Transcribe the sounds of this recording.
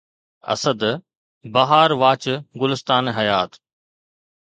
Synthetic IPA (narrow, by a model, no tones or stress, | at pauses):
ɐ̰səd̪ | bɐɦaːɾʋaːt͡ɕɡʊlɪst̪aːnɦɐjaːt̪